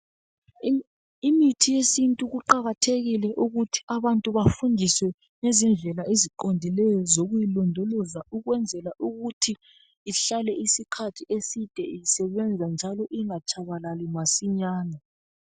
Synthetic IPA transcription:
imitʰijesintʼuɣuǃaɣatʰeɣilɛʔuɣutʰi̥aβantʼuβafundʱiswɛ | ŋezind͡ɮʱɛlaeziǃondʱilɛjɔzoɣujilɔndʱɔlɔzauɣwɛnd͡zʱɛlaʔuɣutʰiː | ɬalɛisikʰatʰiesid̥ʱɛisɛβɛnd͡zʱand͡ʒʱalɔʔiŋat͡ʃʰʼaβalalimasiɲaːna

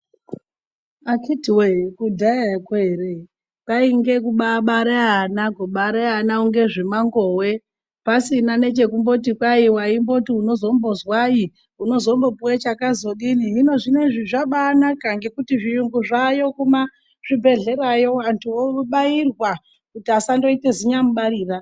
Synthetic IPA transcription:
akitwekudʱaakwere | kaiŋɡe̞kuɓaɓaɾeanakuɓaɾeanauŋɡe̞ʐimaŋɡowe̞ | pasinane̞t͡ʃe̞kumbo̞tikwaiwaimbo̞tiuno̞zo̞mbo̞zwai | uno̞zo̞mbo̞puwet͡ʃakazoɗiniɦino̞ʐine̞ʐiʐaɓanakaŋɡe̞kutiʐijuŋɡuʐajo̞kuma | ʐ̥ibʱe̞ɮe̞ɾajo̞wantʰuouɓairwa | kutiasando̞ite̞ziɲamuɓaɾiːra

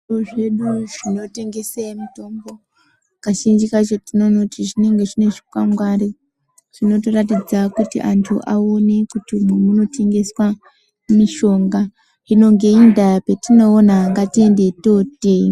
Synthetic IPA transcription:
ʐioʐe̞ɗuʐino̞te̞ŋɡe̞semito̞mbo̞ | kaʃind͡ʒikat͡ʃotino̞no̞tiʐine̞ŋɡe̞ʐine̞ʐi̥kwamɡwaɾi | ʐ̥ino̞torat̬id͡zakutḭʔantʰṵʔaone̞kutimemuno̞te̞ŋɡe̞swa | miʃo̞ŋɡa | ino̞ŋɡe̞indapetino̞ːnaːŋɡatiende̞to̞te

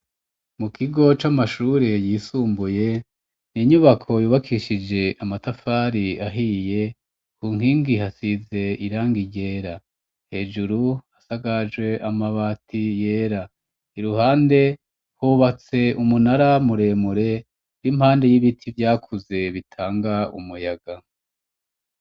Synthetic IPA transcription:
mukʰiɡo̞t͡ʃamaʃuːɾejisuːmbuje̞ | niɲuβakʰo̞juːβakʰiʃid͡ʒe̞ʔamatafaːɾiaɦije̞ | kuːŋ̥hiːŋɡihasize̞iɾaːŋɡiɟe̞ɾa | he̞ːd͡ʒuɾuasaɡad͡ʒwe̞ʔamaβatʰije̞ːɾa | iɾuɦaːnde̞ | huβat͡se̞umunaɾamuɾe̞muɾe̞ | ɾimhaːnde̞jiβitʰivjaːkʰuze̞βitʰaːŋɡaṵmujaɡ̥a

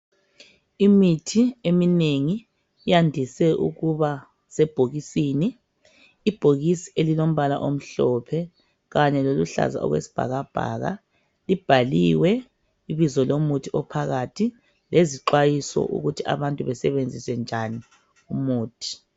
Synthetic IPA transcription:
imitʰiemineŋi | jandʱisɛʔṵɣuβa | sɛb̥ʱoɣisiːniː | b̥ʱoɣisi̥elilom̩βala̰ʔom̩ɬɔpʰɛ | ɣaɲɛloluɬa̰za̰ʔɔ̰ɣwḛsi̥b̥ʱa̰ɣab̥ʱa̰ɣa̰ | lib̥ʱaliwɛ | iβizɔlomutʰiɔpʰaɣatʰi | leziǃwajisɔ̰ʔṵɣutʰia̰βantʼuβɛsɛβend͡zʱiswɛnd͡ʒʱani | umuːtʰi̥

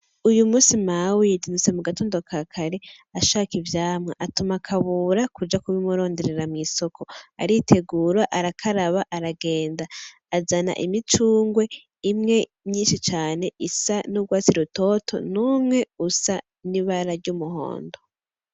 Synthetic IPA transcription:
ujumuːsimawijidinit͡se̞muɡatoːndokʰakʰaɾe | aʃakivjaːmŋḛʔatumakʰaβuːɾakud͡ʒakuβimuɾo̞ːnde̞ɾe̞ɾamŋiːso̞kʰo̞a̰ɾiːtʰe̞ɡuːɾaʔaɾakʰaɾaβaʔaɾaɡe̞ːndaː | zana̰ʔimit͡ʃuːŋɡwe̞ | imŋe̞ | mɲiːnʃit͡ʃaːne̞ʔisanuɡwaːt͡siɾuto̞tʰo̞̰numŋe̞usa | niβaɾaɾɟumuɦo̰ːndo

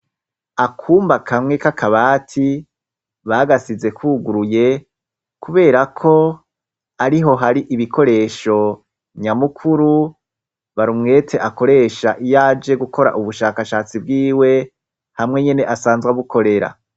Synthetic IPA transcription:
akʰuːmbakʰamŋe̞kakʰaβaːtʰi | βaɡasize̞kuɡuɾuje̞ | kuβe̞ːɾakʰo̞ | aɾiɦo̞ɦaɾiʔiβikʰo̞ɾe̞ːʃo̞ | ɲamukʰuɾu | βaɾumŋe̞ːtʰe̞ʔako̞ɾe̞ːʃaʔijaːd͡ʒe̞ɡukʰo̞ɾa̰ʔuβuʃaːkaʃaːt͡sibɡiːwe̞ | hamŋe̞ɲene̞ʔasaːnzɡaβuko̞ɾe̞ɾa̰

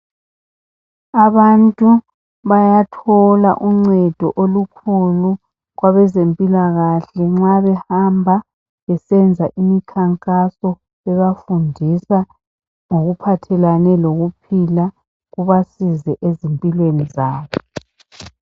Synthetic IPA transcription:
aβantʼu | βajatʰɔla̰ʔuŋ͡ǀɛd̥ʱɔʔolukʰulu | ɣwaβɛzempʼilaɣaɬɛŋ͡ǁaβɛhambʱa | βɛsɛnd͡zʱaʔimikʰaŋkʼasɔ | ɛβafundʱisa | ŋoɣupʰatʰɛlanɛloɣupʰila | ɣuβasizɛʔezimpʼilwenizaːβɔ

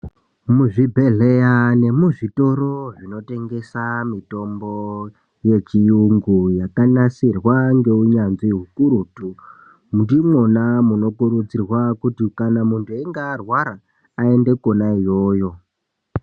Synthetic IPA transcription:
muʐibʱe̞ɮe̞jane̞muʐito̞ɾoʐino̞te̞ŋɡe̞samito̞mbo̞ | je̞t͡ʃijuŋɡujakanasirwaŋɡe̞uɲanziɦukuɾuːtu | mundimonamuno̞kuɾud͡zirwakutikanamuntʰueŋɡaːrwaɾaː | e̞nde̞ko̞naijo̞ːjo̞

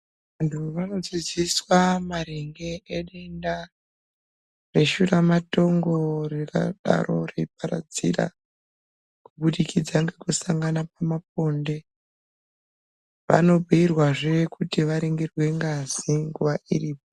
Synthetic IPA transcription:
ʋantʰuʋano̞d͡ziziswamaɾeŋɡe̞ʔeɗenda | re̞ʃuramato̞ŋɡorika̰ɗa̰ɾo̞̰reip̚aɾa̰d͡zḭra̰ | kuɓuɗikʰid͡zaŋɡekusaŋɡanap̚amap̚o̞nde̞ | ʋa̰no̞biirwaʐeekʰutiʋaɾiŋɡirwe̞ŋɡaziŋɡuʋaḭriːp̚o

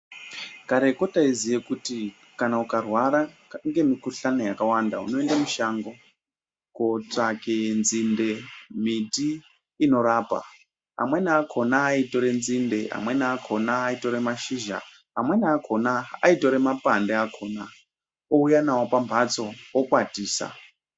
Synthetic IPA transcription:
kaɾe̞ko̞taizijekuti | kanaukarwaɾa | ŋɡe̞mikuɬano̞jakawandaṵno̞endamuʃaːŋɡo̞ | kotakenzinde̞mitiː | no̞ɾaːpa̰ | a̰mwenakʰo̞naːito̞ɾe̞nzinde̞a̰mwe̞naːkʰo̞naːito̞ɾemaʃiːʒa̰ | amwe̞naːkʰonaːito̞ɾe̞mapandeakʰoːna | oujanawopambʱat͡so̞okwatiːsa̰

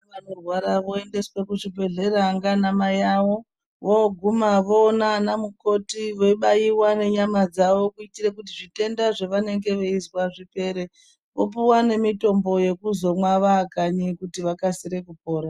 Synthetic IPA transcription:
ʋanorwaɾaʋo̞ende̞swekuʐibʱe̞ɮe̞ɾaŋɡanamajawo̞ | ʋoɡʱumaʋo̞ːnanamuko̞tiʋo̞iɓajiwane̞ɲamad͡zaʋo̞kuitire̞k̬utiʐite̞ndaʐeʋane̞ŋɡe̞ʋe̞izwaʐipe̞ɾe̞ | ʋo̞̰p̬uwane̞mito̞mbo̞je̞kuzo̞mwaʋaːkaɲikutiʋakasiɾe̞kupo̞ːɾa

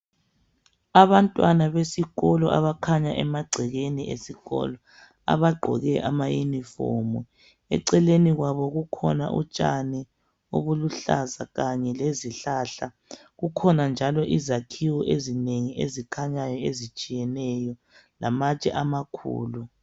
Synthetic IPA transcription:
aβantʼwanaβesiɣɔlɔʔa̰βakʰaɲaʔɛmaɡ͡ǀʱɛɣeniʔḛsiɣɔ̰lɔ | a̰βaɡ͡ǃʱɔ̰ɣɛʔa̰majunifɔ̰mu | ɛ̰ǀɛleniɣwaβɔɣukʰɔ̰na̰ʔṵt͡ʃʼanɛ | o̰βuluɬa̰za̰ɣaɲɛleziɬaɬa | ɣukʰɔnand͡ʒʱalɔʔizakʰiwɔʔezineŋiezikʰaɲajɔezit͡ʃʼijɛnɛjɔ | lamat͡ʃʼɛ̰ʔamakʰṵːlu

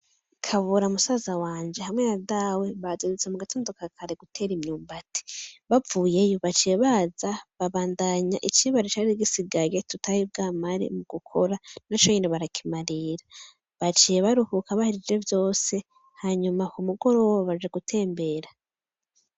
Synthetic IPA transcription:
kʰaβuɾamusaːzawaːnd͡ʒe̞hamŋe̞nadawe̞βazezet͡semuɡatʰoːndokakʰaɾe̞ɡutʰe̞ːɾimɲuːmbatʰi̥βavuːje̞joβat͡ʃijeβaːzaβaβaːndaɲaʔit͡ʃiβaɾet͡ʃaɾiɡisiɡajetutʰajibɡaːmaɾḭmuɡ̥ukʰo̞ɾanat͡ʃoɲiːniβaɾakʰi̥maɾiɾa | βat͡ʃijeβaɾuhukaβahiɾid͡ʒe̞vjo̞ːse̞ | haɲumahumuɡo̞ɾowoβaβad͡ʒeɡutʰe̞ːmbe̞ɾa

